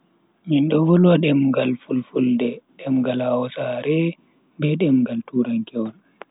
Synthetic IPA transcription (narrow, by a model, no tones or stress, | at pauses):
ɲinɗɔvɔlwaɗɛmɡalfulfuldɛɗɛmɡalawɔsaɾɛ | bɛɗɛmɡaltuɾaŋkɛwɔn